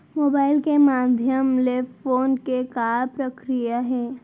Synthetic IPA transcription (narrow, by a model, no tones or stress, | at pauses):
moːbaːɪlkemaːd̪ʱjəmleffoːnkekaːpɾəkɾijaɦɛː